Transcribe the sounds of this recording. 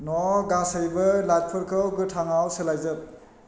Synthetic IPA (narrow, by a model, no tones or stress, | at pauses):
nɔɡasɯjbɐlat̚pʰɯɾkʰɯwɡɯtʰaŋawsɯlajzɯp̚